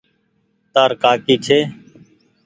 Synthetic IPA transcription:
t̪aːɾkaːkiːt͡ʃʰeː

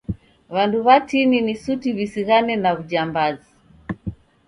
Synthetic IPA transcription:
βanduβatininisutiβisiɣanɛnaβuʄambazi

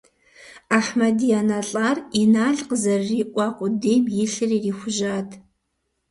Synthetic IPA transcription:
aħmɐdijaːnaɬʼaːrinaːɮqəzɐrːiːʔʷʼɑːqʷʼʊdejbjɪɬɨriːriːxʷʊʒaːtʰ

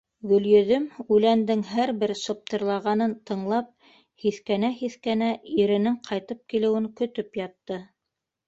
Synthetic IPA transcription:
ɡɵ̆ljɵ̆ðɵmʉlænd̪ɘŋɦæɾbɘɾsɤ̆p̚t̪ɤ̆ɾlˠɑʁɑnɤnt̪ɤ̆ɴlˠɑp̚ | hiθkænæhiθkænæiɾɘ̆nɘŋqʰɑjt̪ɤp̚kilɘ̆wɘŋkɵ̆t̪ɵpjɑt̪ːɤ

